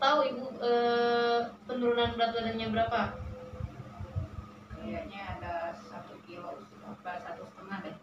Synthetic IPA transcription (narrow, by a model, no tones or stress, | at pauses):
t̪auit̪uə | pənuɾunanbəɾat̪uadanɲabəɾapa | kəɾajaɲaːdasat̪ukilosət̪əbasat̪usə̥t̪əŋahda